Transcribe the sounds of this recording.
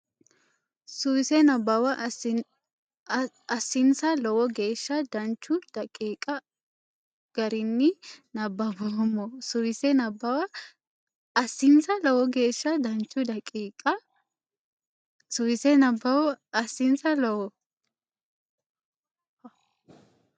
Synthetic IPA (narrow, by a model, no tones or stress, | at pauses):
sʊwɪsɛnɐbːɐwɐ | ɐsːɪnsɐlɔwɔɡe̞ːʃːɐd̪ɐnt͡ʃːʊd̪̥ɐkʼiːkʼɐ | ɡ̥ɐɾɪnːɪnɐbːɐbɔmːɔsʊwɪsɛnɐbɐwɐ | ɐsːɪnsɐlɔwɔɡe̞ːʃːɐd̪ɐnt͡ʃːʊd̪ɐkʼiːkʼɐ | sʊwɪsɛnɐbːɐwɔɐsːɪnsɐlɔwɔ